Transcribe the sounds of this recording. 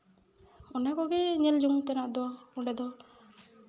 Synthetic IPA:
ɔnakɔɡɛɲɛld͡ʒuŋt̪ɛnaʔd̪ɔuɖɛd̪ɔ

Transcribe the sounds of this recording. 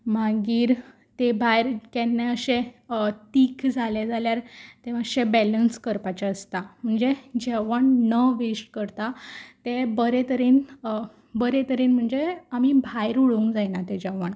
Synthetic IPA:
maɡiːɾ | t̪ebʱajɾkenːeəɕet̪iːkʰd͡zʱaled͡zʱaljaɾt̪eəɕebɛlənskəɾpat͡ɕaəst̪am̤əɳd͡zed͡ʑɛʋəɳnəʋeʂʈkəɾt̪at̪ebəɾet̪əɾiːn | bəɾet̪əɾiːnm̤əɳd͡zeamibʱajɾuɭuuŋɡd͡zajnat̪ed͡ʑɛʋaɳ

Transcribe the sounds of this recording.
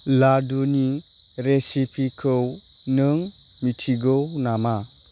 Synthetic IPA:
laduni | ɾesipʰikʰɯw | nɯŋ | mitʰiɡɯwnama

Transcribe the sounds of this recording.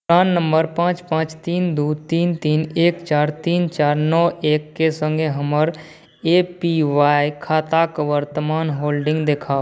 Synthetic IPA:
pɾaːnːə̃mbəɾpãːt͡ʃpãːt͡ʃt̪iːnd̪uːt̪iːnt̪iːneːkt͡ʃaːɾt̪iːnt͡ʃaːɾnɔːeːkːesə̃ŋɡeɦəməɾ | epiʋaːjkʰaːt̪akʋəɾt̪əmaːnɦoːlɖɪ̃ŋɡd̪ekʰaːo

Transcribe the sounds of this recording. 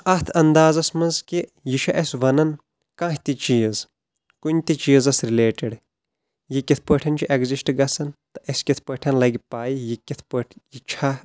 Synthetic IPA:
ɐt̪ʰɐnd̪aːzɐsmɐnzkijiʃʰɐʔɐsʲʋɐnɐn | kãːɦʲt̪it͡ʃiːz | kunʲt̪it͡ʃiːzɐsɾileːʈiɽ | jikʲit̪ʰpəʈʰɐnʲt͡ʃʰiʔeɡzisʈɡɐsɐnt̪ɐʔɐsʲkʲit̪ʰpəʈʰɐnlɐɡʲipaːjijikʲit̪ʰpəʈʰjit͡ʃʰa

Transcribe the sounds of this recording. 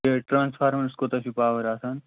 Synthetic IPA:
eʈɾaːnsfʰaɾmənskot̪ɐɕipaʋəɾasaːn

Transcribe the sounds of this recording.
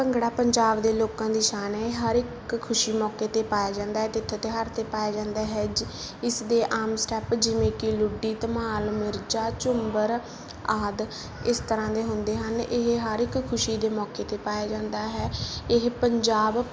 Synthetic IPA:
pəŋɡɽaːpəɲd͡ʒaːbd̪eːloːkãːd̪iːʃaːnɦɛːɦəɾɪkʰː | ʊʃiːmɔːkeːt̪eːpaːjaːd͡ʒãːnd̪aːɦɛːt̪ɪt̪ʰːoːt̪eːɦəɾt̪eːpaːaːd͡ʒãːnd̪aːɦɛːd͡ʒ | ɪsd̪eːʔaːmsʈɛːpd͡ʒɪʋẽːkɪlʊɖːiːt̪əmaːlmɪɾd͡ʒaːt͡ʃʊmbəɾ | aːd̪ | ɪst̪əɾãːd̪eːɦʊnd̪eːɦənɪɦɦəɾɪkkʰːʊʃiːd̪eːmɔːkeːt̪eːpaːjaːd͡ʒãːnd̪aːɦɛːɪɦpəɲd͡ʒaːb

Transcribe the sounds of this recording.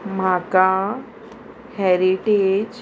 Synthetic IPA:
maːka | hɛɾiʈed͡ʒ

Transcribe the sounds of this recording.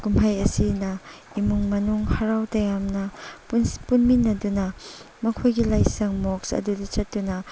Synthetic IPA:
kumɦajɐsinɐ | imuŋmɐnuŋhɐɾawtɐjamnɐ | punminːɐdunɐ | mɐkʰojɡilajsɐŋmɔksɐ̰dudɐt͡ʃɐt̚tːdunɐ

